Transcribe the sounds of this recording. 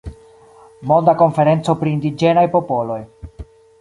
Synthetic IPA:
mo̞nd̪ako̞nfe̞ɾe̞nt͡so̞pɾiːndid͡ʒe̞najpo̞po̞lo̞j

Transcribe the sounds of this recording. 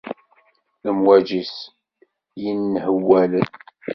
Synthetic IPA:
əmwæd͡ʒis | jinːhəwːælən

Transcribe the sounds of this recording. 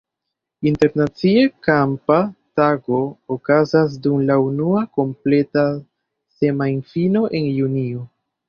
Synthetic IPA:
inte̞ɾnat͡siekampataɡo̞ːokazas̬dumlaunuako̞mple̞ta | se̞majnfino̞ʔe̞njunio̞

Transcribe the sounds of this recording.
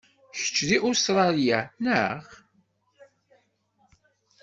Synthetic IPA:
çə̥t͡ʃːðiʔust̪ɾˤɑlijænəʁ

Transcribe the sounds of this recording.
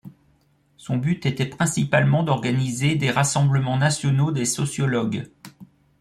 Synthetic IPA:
sɔ̃byt̪et̪ɛpχɛ̃sipalmɑ̃d̪ɔʁɡanized̪eʁasɑ̃bləmɑ̃nasjɔnod̪esɔsjɔlɔɡ

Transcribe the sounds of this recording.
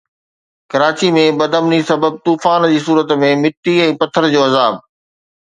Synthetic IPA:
kɐɾaːt͡ɕimẽbɐd̪əmnisɐbəb̚t̪uːfaːnd͡ʑiːsuːɾət̪mẽmɪʈːiɛ̃ːpɐt̪ʰəɾd͡ʑoːɐzaːb̚

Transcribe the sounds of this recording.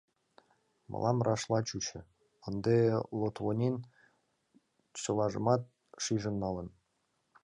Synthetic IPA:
mɤ̰lʔɑmrʔɑʃlɑt͡ɕut͡ɕə̆ | ənd̪elot̪βonʲen | t͡ɕəlɑʒə̰mɑt̪̚ | ʃiʒə̆nːɑlən

